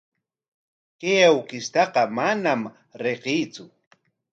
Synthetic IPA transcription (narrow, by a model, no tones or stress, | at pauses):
kejawkɪst̪ɑqɑmanam | ɾeqijt͡sʊ